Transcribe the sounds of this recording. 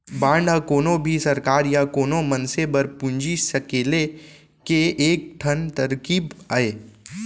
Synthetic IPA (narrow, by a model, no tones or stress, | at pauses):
bãːɳɖʱakoːnõbʱisɐɾkaːɾjakoːnomɐnsebɐɾpʊ̃ɲd͡ʒisɐkeːle | keeːk̚ʈʰənt̪ɐɾkiːbaːeː